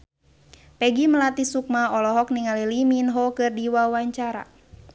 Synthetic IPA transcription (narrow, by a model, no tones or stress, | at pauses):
pɛɡiməlat̪isuk̚maɔlɔɦɔkniŋaliliminɦɔkɨrdiwawaɲt͡ʃaɾa̰